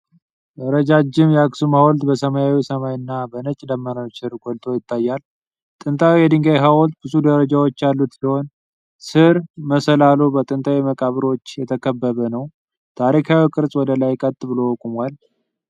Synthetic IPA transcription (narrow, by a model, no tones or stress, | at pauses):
ʔəɾəd͡ʒad͡ʒːɪmjɛaksumhawɔlt̪bəsəmajawisəmajɨnːabənət͡ʃʼd̪əmːəɾasɨɾɡɔlt̪ʰʼo̞jɪt̪ʰːajːal | t̪ʼɨnt̪ʼʰawijɛd̪ɨŋɡajɦawɔlt̪bɨzud̪əɾəd͡ʒawot͡ʃːjalːut̪siho̞n | sɨɾməsəlalubət̪ʼɨnt̪ʰʼawiməkʼaβɨɾo̞t͡ʃːjɛt̪ʰəkʰəbːəβənəw | t̪ʰaɾikʰawikʼɨɾsʼwɔd̪əlajkʼət̪ʼːɨbɨlowkʼumal